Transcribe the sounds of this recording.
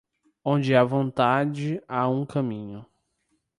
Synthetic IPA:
õnd͡ʒɪavõnt̪ad͡ʒɪaũkɐ̃mĩɲʊ

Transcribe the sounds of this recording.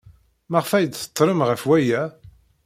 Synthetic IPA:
maʁfæjd̪θə̥t̪ˤːɾəmʁəfwæjæ

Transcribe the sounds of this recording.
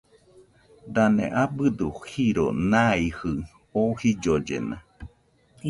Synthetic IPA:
d̪anḛ̃ʔabɨd̪uhiɾo̰nãihɨ | ohid͡ʒod͡ʒḛna̰

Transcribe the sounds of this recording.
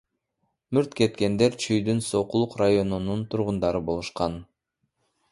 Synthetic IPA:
myɾt̪ke̞t̪ke̞nd̪e̞ɾt͡ʃʰyjd̪ynso̞qulˠuqrajo̞nununt̪ʰuɾʁund̪ɑɾɯbo̞lˠuʃqɑn

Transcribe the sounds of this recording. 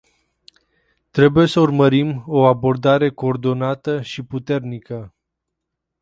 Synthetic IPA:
t̪ɾe̞buje̞səurməɾimo̞abo̞rd̪aɾe̞ko̞ːrd̪o̞nat̪əʃiput̪e̞rnikə

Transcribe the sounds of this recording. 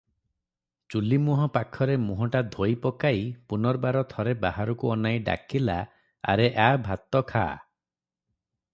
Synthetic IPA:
t͡ʃulimuɦɔpakʰɔɾemuɦɔʈad̪ʱojpɔkaipunɔɾbaɾɔt̪ʰɔɾebaɦaɾɔkuɔnajɖa̰kila | a̰ɾeʔabʱat̪ɔkʰa̰

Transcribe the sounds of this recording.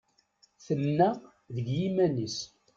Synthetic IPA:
θənːæ | ðəɡjimænis

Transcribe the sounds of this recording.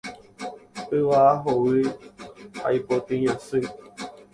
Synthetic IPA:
ɨʋaaɦowɨ | ha̰ipot̪ĩɲãsɨ

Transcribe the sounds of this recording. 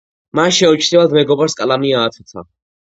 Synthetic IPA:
manʃɛɔt͡ʃʰnivad̪mɛɡɔbaɾskʼalamiaːt̪ʰɛt̪ʰa̰

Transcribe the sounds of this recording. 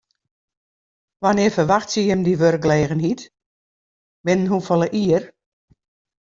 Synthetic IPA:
ʋanɪːəfərʋaxtsjəjəmdiʋørɡ̚lɛːɣənhit | bɪnənɦufɔlˠəʔiər

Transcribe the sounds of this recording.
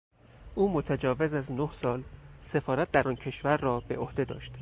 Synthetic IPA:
ʔuːmot̪ʰæd͡ʒɒːvezæznohsɒːlse̞fɒːɾæt̪̚d̪æɾɒːncʰe̞ʃvæɾːɒːbe̞ʔohd̪e̞d̪ɒ̰ːʃt̪

